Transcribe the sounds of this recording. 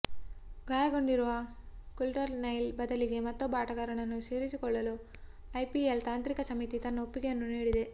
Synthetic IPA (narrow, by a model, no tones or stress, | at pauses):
ɡaːjɐɡoɳɖiɾuʋɐkulʈɐɾnɐjlbɐd̪ɐliɡe̞mɐt̪ːobaːʈɐɣɐɾɐɳɐnːuʃeːɾit͡ʃːukɔɭːɐloː | ɐjpielt̪aːnt̪ɾikɐsɐmit̪it̪ɐnːɐopːiɡɐjɐnːuniːɽid̪e